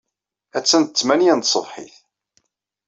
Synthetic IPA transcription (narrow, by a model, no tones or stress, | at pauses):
æt͡sːænt̪ət͡sːmænijænt̪sˤəvħḭθ